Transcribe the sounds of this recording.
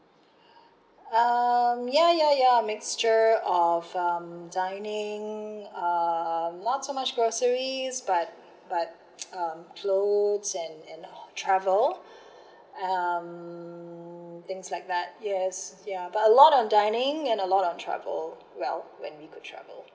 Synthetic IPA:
ʌ̃mjæjajamɪkst͡ʃə˞ɔvʌ̃mdãɪnɪ̃ŋʌmnɔtsomat͡ʃɡ̥ɹosəɹizbat̚ | b̥at̚ | ʌ̃mkʰlodzɛ̃nɛ̃ntʰɹ̥ævəlˠ | ʌ̃m | θɪ̃ŋslaɪk̚ðæt̚jɛsjabatəlɔɾndãɪ̃nɪ̃ŋɛ̃nəlɔɾn̩tʰɹ̥æ̰və̰lˠ | wɛ̰lˠwɛ̰̃nwikʰʊd̚tʰɹ̥æ̰və̰lˠ

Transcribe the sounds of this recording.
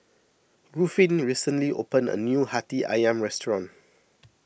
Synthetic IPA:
ɹufĩnɹisə̃nliʔo̰pə̃nə̰njuhatiʔa̰jãmɹɛstɹɔ̃n

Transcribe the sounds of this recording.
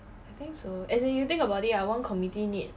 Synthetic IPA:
ajt̪ɪ̃ŋksoɛswɛ̃njut̪ɪ̃ŋkəbawtitajwɔ̃nkʰɔmitinit̚

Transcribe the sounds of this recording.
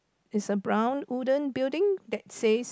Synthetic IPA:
ɪsəbɹãʊ̃nudə̃nbildɪ̃ŋdɛt̚ses

